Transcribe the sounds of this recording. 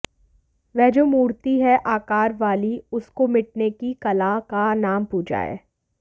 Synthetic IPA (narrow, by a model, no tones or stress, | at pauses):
ʋɛɦd͡ʒoːmuːɽt̪iɦɛʔaːkaːɾʋaːliʊskomɪʈ̚nekikɐlakanaːmpuːd͡ʒa̰ːḛː